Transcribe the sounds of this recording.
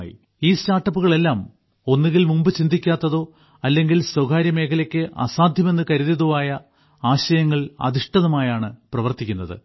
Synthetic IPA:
jḭ | iːstaːʈːɐpːuɣɐɭe̞lːaːm | o̞nːiɣilmumbɨt͡ɕind̪ʱikʲːaːt̪ːɐðo̞ː | ɐlːe̞ŋɡilswɐɡaːɾjɐme̞ːkʰɐlɐkʲːɨʔɐ̰saːd̪ʱjɐme̞nːɨkɐɾuðiðuʋaːjɐ | aːɕɐjɐŋːɐɭɐ̰d̪ʱiʂʈɐðɐmaːjaːɳɨprɐʋɐrt̪ikʲːunːɐðɨ̰

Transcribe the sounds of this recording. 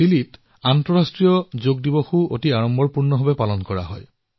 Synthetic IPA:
ilit | antɔɹastɹijɔzoɡ̚diboxuo̰tiaɹɔmbʱɔɹpuɹnɔɦɔbɛpalɔnkɔɹa̰ɦɔj

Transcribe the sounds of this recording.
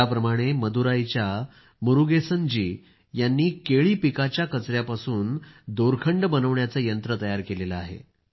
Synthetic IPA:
apɾəmaɽ̃eməd̪uɾait͡ɕja | muɾuɡesənd͡ʑiː | janːiːkeɭiːpikat͡ɕjakət͡sɾjapasuːnd̪oɾkʰəɳɖbənəʋɳjat͡səːjənt̪ɾət̪əjaɾkeleləaɦḛ

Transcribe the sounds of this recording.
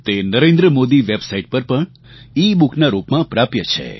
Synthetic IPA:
t̪enəɾẽnd̪ɾəmod̪iʋebsaiʈ̚pəɾpəɳ | ibukʰnaɾupmãpɾapjət͡ʃʰḛ

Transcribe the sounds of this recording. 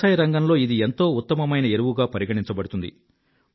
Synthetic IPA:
aːjɐɾɐŋɡɐnlo̞ːid̪ie̞nt̪o̞ːut̪ːɐmɐmɐjnɐeɾuʋuɡaːpɐɾiɡɐɽiɲt͡ʃɐbɐɽut̪und̪ḭ

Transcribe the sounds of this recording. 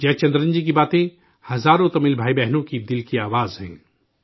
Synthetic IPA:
d͡ʒɛːt͡ʃɐ̃nd̪ɾə̃nd͡ʒik̬ibaːt̪ẽ | hɐzaːɾõt̪ɐmɪlbʱaːibɛɦnõkid̪ɪlkiaːʋaːzɦɛ̰̃ː

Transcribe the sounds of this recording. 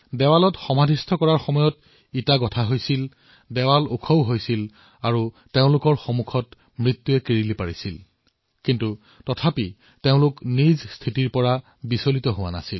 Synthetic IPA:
dɛwalɔtxɔmadʱistʰɔkɔɹaɹxɔmɔjɔt | itaɡɔtʰaɦojsil | dɛwalukʰowɦojsil | aɹu | teʊ̃lʊkɔɹxomukʰɔt | mɹit̪ːuɛkiɹilipaɹisil | kintu | tɔtʰapi | teʊ̃lʊknizstʰitiɹpɔɹa | bisolitɔɦʊwa̰na̰sil

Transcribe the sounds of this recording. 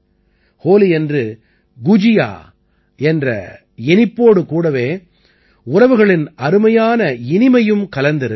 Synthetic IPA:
hoːliɛndrɯ | ɡʊd͡ʒɪja̰ː | ɛndrɐ̰ | ɛnɪpːoːɽɯkuːɽɐʋeː | ʊrɐʋɯɣɐɭɪnɐɾɯmɐjaːnɐɪnɪmɐjɯmkɐlɐnd̪ɪɾɯ

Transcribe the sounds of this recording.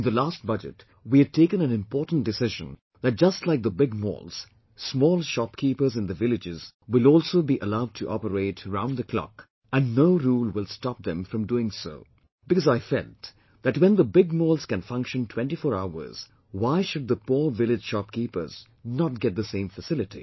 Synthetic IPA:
ɪ̃nðəlæst̚bʌd͡ʒɨ̰t | wiɨd̚tʰeɪkə̃nɨ̃nɨ̃mpɔːtn̩d̥ɨsɪʒə̰̃n | ðɨt̚d͡ʒ̥ʌstˡlaɪk̚ðəbɪɡ̚mɔ̰ːlˠz̥ | smɔːlˠʃɑp̚kʰipə˞zɨ̃ndðəvɪlɨd͡ʒɪz̥ | wɪlɔːlˠsoʊbiʔəlaʊd̚tʰɨʔɔ̰pəɾeɪtɹãʊ̃nðəkʰl̥ɑ̰k | ɨ̃nːoʊɾulˠwɪlˠstɑp̚ðɨ̃ɱfɹʌ̃mduɪ̃ŋso̰ʊ | b̥ɨkʌzaɪfɛlt | ðɨt̚wɛ̃nðəbɪɡ̚mɔːlˠz̥kɨ̃nfʌ̃ŋkʃə̃ntʰw̥ɛ̃ntifɔːɹaʊə̰˞z̥ | waɪʃʊd̪̚ðəpuɹvɪlɪd͡ʒ̥ʃɑp̚kipə̰˞z̥ | nət̚ɡ̥ɛt̪̚ðəsẽɪ̃ɱfəsɪlɨtḭ

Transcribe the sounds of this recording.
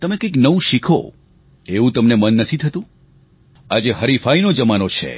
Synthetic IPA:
t̪əmekəjknəʋũʃikʰo̰ | eʋũt̪əmnemənːət̪ʰit̪ʰət̪ũ | ad͡ʒeɦəɾifainod͡ʒəmanot͡ʃʰḛ

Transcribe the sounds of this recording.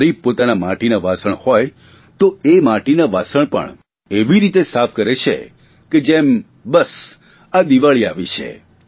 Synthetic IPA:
ɾib̚pot̪anamaʈinaʋasəɳhɔj | t̪oemaʈinaʋasəɳpə̰ɳ | eʋiɾit̪esapʰkəɾet͡ʃʰḛ | ked͡ʒem | bəs | ad̪iʋaɭiaʋit͡ʃʰḛ

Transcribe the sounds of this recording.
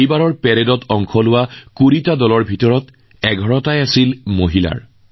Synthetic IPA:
jbaɹɔɹpɛɹedɔtɔŋkʰɔlʊwakuɹitadɔlɔɹbʱitɔɹɔt | ɛɡʱɔɹɔtajasilmoɦila̰ɹ

